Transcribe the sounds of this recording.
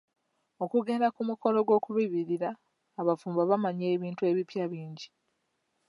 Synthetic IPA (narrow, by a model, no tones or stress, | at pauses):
o̞kuɡe̞ɾakumuko̞lo̞ɡwo̞ːkuβiβiɾiɾaː | βafuːmbaβamaɲe̞ːβiːntue̞βipjaβiːɲɟi